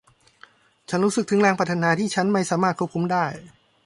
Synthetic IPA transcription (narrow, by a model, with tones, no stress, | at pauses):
t͡ɕʰa˦˥nɾuː˦˥sɯ˨˩k̪̚ʰɯ˩˦ŋlɛː˧ŋpɾa˧˩t̪ʰa˧naː˧t̪ʰiː˥˩t͡ɕʰa˦˥nma˥˩jsaː˩˦maː˥˩kʰu˥˩p̚kʰu˧˦mdaː˥˩j